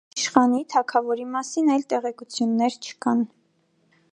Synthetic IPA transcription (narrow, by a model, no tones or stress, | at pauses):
ʃχɑnit̪ʰɑkʰɑvɔɾimɑsinɑjlt̪ɛʁɛkut͡sʰjunːɛɾt͡ʃʰə̥kɑn